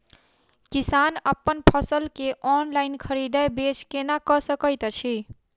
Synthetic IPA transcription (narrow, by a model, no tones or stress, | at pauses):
kisanəpːənpʰəsəlkeʔɔnlaɪnkʰəɾid̪ajbet͡ʃkenakəsəkəjt̪t͡ʃʰi